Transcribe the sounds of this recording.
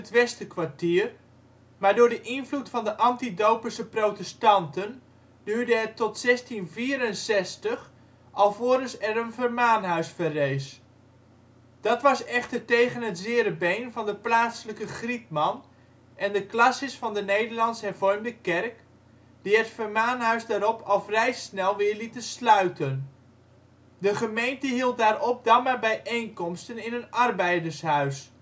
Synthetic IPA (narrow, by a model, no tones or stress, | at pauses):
ətʋɛstəkʋaɹtiːr | maːɹdʊːɹdəʔɪnvlutfɑndəʔɑntidowpəsəprowtɛstɑntən | dyːɹdəɦɛtɔtsɛstinviːɾənsɛstəχ | ʔɑlˠvoːɾəsɛɾənvərmaːnɦœɥsfərejs | d̥ɑtʋɑsɛχtəɹtejχənɦətzɪːɾəbejnvɑndəplaːsləkəχrit̚mɑn | ʔɛndəklɑsəsfɑndənejdəɹlɑnsɦɛɹvɔrmdəkɛrk | d̥iətfərmaːnɦœɥzdaːɾɔpʰɑlˠfrɛjsnɛlˠʋɪːɹlitənslœɥtən | dəχəmejntəɦilˠt̚daːɾɔp̚damaːɹbɛjʔejnkɔmstənɪnənɑrbɛjdəɹsɦœɥs